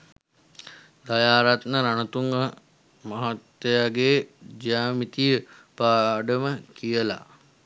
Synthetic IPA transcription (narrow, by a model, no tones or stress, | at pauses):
d̪ajaːɾat̪nəɾanət̪uŋɡə | maɦat̪ːejaɡeːd͡ʒjaːmit̪ijəpaːɖəməkijəla̰